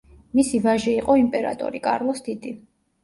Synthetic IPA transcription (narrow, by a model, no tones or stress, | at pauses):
misivaʒɛiqʼɔimpʼɛɾa̰t̪ʼɔ̰ɾikʼa̰ɾlˠɔsd̪id̪i